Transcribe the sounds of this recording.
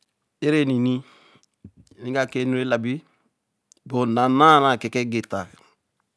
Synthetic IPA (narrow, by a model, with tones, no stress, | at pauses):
e˦ɾe˦ni˨ni˦˨ | nĩ˦ɡa˦˨ke˦nu˦ɾe˦la˨bi˦ | bo˨na˨na˦na˨kɛ˨kɛ˦ɡe˨ta˨